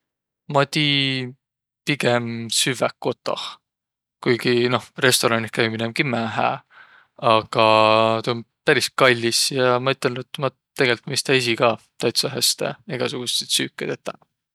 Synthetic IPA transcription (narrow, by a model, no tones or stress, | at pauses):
mɑt̪iː | piɡ̥emsyvækːo̞t̪ːˑo̰h | kujɡino̞hre̞st̪o̞ɾɑnikæiminemkimæɦæ̰ | ɑɡ̥ɑt̪un | pæɾiskɑlʲːisjɑmɑyt̪ˑːɑnd̪et̪ːˑmɑ | t̪ːe̞ɡe̞lʲt̪ˑmist̪æis̬ikɑː | t̪ɑjt̪sɑɦæst̪ḛeɡ̥ɑsuɡ̥ust̪et̪syːkːˑed̪̥et̪ːæ